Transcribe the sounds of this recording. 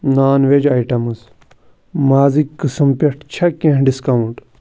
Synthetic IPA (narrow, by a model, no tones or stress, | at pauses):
naːnʋed͡ʒaiʈɐmɨs | maːzikːɨsɐmpʲeʈʰt͡ʃʰɐkẽɦɖiskɐwuɳʈ